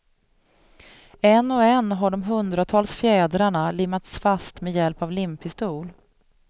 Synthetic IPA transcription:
ɛnːɔɛnɦaɖɔmɦɵnd̪ɾat̪ʰɑːlsfjɛːd̪ɾaɳalɪmːat̪sfast̪mɛjɛlpavlɪmpʰɪst̪uːl

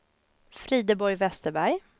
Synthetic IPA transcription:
fɾiːd̪əbɔɾjvɛst̪əɾbæɾj

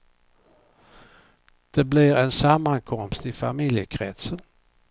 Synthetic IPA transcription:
d̪̥ebliʁensamankʰɔmst̪ifamiljəkʰʁɛt̪sən

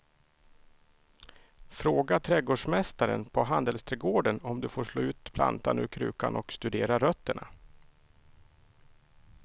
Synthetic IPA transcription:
fɾoːɡat̪ʰɾɛɡoːɖʂmɛst̪aɾə̰npʰɔɦand̪əlst̪ʰɾɛːɡoːɖənɔmd̪ɵfoːʂɭoːʉ̟ːt̪̚pʰla̰nt̪anɵ̟ːɾkʰɾʉ̟̰ːkanʔɔkst̪ɵd̪eːɾaɾœt̪ːəɳa̰

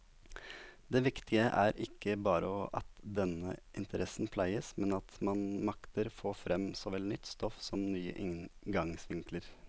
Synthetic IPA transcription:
d̪eːʋɪkt̪ʰɪəʔæɾɪkʰːəbɑːɾə̰ɔʔɑ̰t̪d̪ɛnəʔɪnt̪ʰəɾʔɛsnpʰlæɪəsmɛnɑt̪mɑnmɑkt̪əɾfoːfɾɛmːsɔʋɛlnʏt̪ːst̪ɔfsɔmnyːə̰ʔɪŋɡɑŋsʋɪŋkləɾ

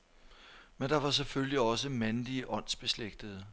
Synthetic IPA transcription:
mend̥ɑ̈ʋɑ̈s̬efølliɒ̽s̬əmænliəʔɒ̽n̰sb̥e̝sleɡ̥̚d̥əð̩ˠ

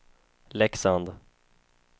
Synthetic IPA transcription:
lɛksand̪

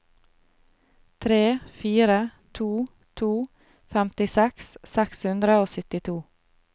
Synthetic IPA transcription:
t̪ʰɾeːfiːɾət̪ʰuː | t̪ʰuː | fɛmt̪ɪsɛkssɛkshʉnd̪ɾəoːsʏt̪ɪt̪ʰuː

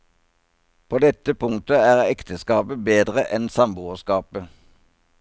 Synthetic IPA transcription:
pʰoːd̪ɛt̪əpʰʊŋt̪əæːʁɛkt̪ʰəskɑːpəbeːd̪ʁəʔɛnsɑmbuːəskɑːpə

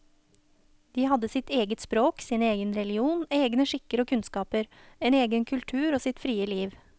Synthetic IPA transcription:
d̪̥iːhɑd̪əsɪt̪eːɡət̪spɾoːksɪneːɡənɾɛlɪuːneːɡnəʂɪkːəɾoːkʰʉnskɑːpəɾeːneːɡənkʰʉlt̪ʰʉːɾoːsɪt̪fɾiːəliːʋ

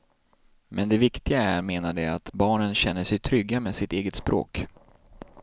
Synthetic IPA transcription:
mɛnd̪ɛvɪkt̪ɪɡaæmeːnaɖɛat̪bɑːɳənɕɛnːəʂɛjt̪ʰɾʏɡːameːsɪt̪eːɡət̪spɾʔo̰ːk

